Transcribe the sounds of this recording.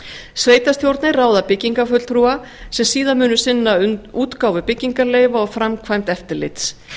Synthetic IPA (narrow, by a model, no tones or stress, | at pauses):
sveːjt̪ast̪ʰjowɾt̪nɪraːwðapɪcːiŋkafʏt̪l̥tθɾuːa | sɛmsiːðanmʏːnʏsɪnːaʏuːt̪kaːwvɪpɪcːiŋkaleːjvaɔɣfɾamkʰvajmt̪ɛft̪ɪɾlɪ̰t̪s